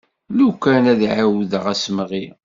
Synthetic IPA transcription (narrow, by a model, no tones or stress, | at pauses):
lukænæðʕawðəʁæsmʁi